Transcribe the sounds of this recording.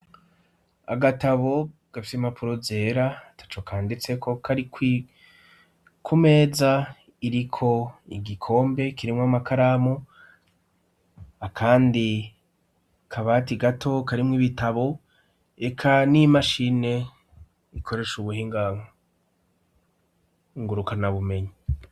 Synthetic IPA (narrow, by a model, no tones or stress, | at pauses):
a̰ɡataβo̞ɡ̥afi̥semapuɾo̞ze̞ːɾatʰḁt͡ʃokʰaːndit͡se̞kʰo̞kʰaɾikwi | kʰume̞ːza | iɾikʰo̞iɡikʰo̞ːmbe̞kiɾimŋwamakʰaɾamu | akʰaːndi | kʰaβatiɡatʰo̞kaɾimŋiβitaβo̞ | e̞kʰanimaʃine̞ | ikʰo̞ɾe̞ʃuβuhiːŋɡa | ŋɡuɾukanaβume̞ɲi